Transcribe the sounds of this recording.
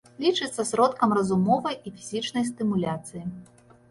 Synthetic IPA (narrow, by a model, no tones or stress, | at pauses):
lʲit͡ʂɨt̪sːɐsɾɔt̪kɐmrɐzumɔvɐjifʲizʲit͡ʂnɐjs̬t̪ɨmulʲat̪sɨji